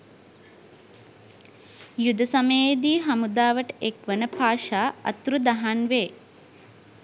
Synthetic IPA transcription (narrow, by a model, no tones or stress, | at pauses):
jud̪ɐsɐmejed̪iːɦɐmud̪aːʋəʈekʋənəpʰaːʃaːɐ̰t̪ɾud̪ɐɦanʋeː